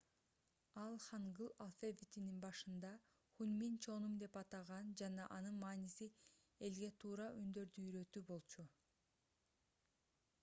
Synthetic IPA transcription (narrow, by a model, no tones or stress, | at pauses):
ɑlˠχɑɴɡɯlˠalˠfevʲit̪ʲininbɑʃɯnd̪ɑ | χunmint͡ʃʰo̞numd̪e̞pɑt̪ɑʁɑnd͡ʒɑnɑʔɑnɯnmɑːnisi | e̞lɡe̞t̪ʰuːɾɑʔynd̪ø̞ɾd̪yːɾø̞t̪ybo̞lˠt͡ʃʰu